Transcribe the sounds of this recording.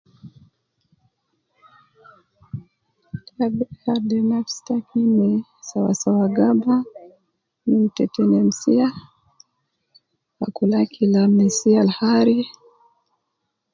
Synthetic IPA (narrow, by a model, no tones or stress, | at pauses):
tabɛhaɾdɛnafstakinɛsawa̰sawaɡaba | nim̩tɛtɛnɛm̩sia | a̰kulakʰilamɛsialhaɾi